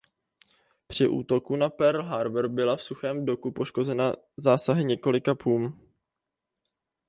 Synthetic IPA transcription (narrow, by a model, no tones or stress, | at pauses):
pr̝̥ɪʔṵːt̪o̞kunapɛɾl̩ɦaɾvɾbɪlafsuxɛːmdo̞kupo̞ʃko̞zɛna | zaːsaɦɪɲɛko̞lɪkapʰuːm